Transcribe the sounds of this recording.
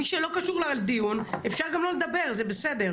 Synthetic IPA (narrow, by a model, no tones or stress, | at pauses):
miʃelo̞kaʃuʁlaald̪ijunefʃaʁɡamlo̞led̪abe̞ʁzebesed̪eʁ